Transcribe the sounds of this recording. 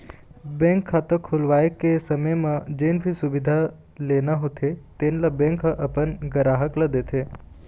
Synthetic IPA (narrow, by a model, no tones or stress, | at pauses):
bẽŋkʰːat̪õkʰːulʋajəkesəməjmãd͡ʒenbʱisuʋid̪ʱa | lenaɦot̪ʰet̪enlabẽŋkʰəʔəpənɡəɾaɦəkləd̪et̪ʰe